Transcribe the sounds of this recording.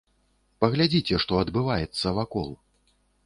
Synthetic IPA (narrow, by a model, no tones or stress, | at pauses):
pɐɣlʲad͡zʲit͡sʲɛʂt̪ɔɐd̪bɨvajɛt̪sːɐvakɔ̰lˠ